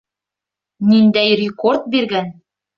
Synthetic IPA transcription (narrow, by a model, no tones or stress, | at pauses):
nind̪æjrʲɪkort̪̚biɾɡæn